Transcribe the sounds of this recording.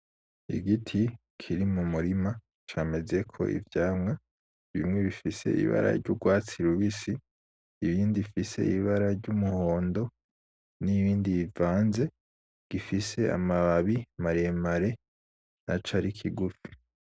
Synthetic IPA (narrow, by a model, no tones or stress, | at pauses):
ḭɡitʰi | kʰiɾimumuɾima | t͡ʃaːme̞ze̞kʰo̞̰ʔḭvjaːmŋa | βḭmŋe̞βifise̞̰ʔḭβa̰ɾa̰ɾɟuɡwaːt͡siɾuβisiː | βiːndifise̞̰iβaɾaɾɟumuho̞ːndo̞ | niβiːndiivaːnze̞ | ɡ̥ifise̞a̰maβaβimaɾemaɾe̞ | nat͡ʃaɾikʰiɡufi̥